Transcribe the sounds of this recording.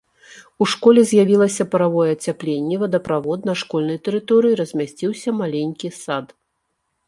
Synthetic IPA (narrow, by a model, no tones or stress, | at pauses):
uʂkɔlʲɛzʲjavʲilˠɐsʲɐpɐɾavɔjɛːt͡sʲaplʲenʲːɛvɐd̪ɐpɾavɔt̪̚nɐʂkɔlʲnɐjt̪ɛɾɨt̪ɔɾɨjiɾɐzʲmʲasʲt͡sʲiwsʲɐmalʲenʲkʲisat̪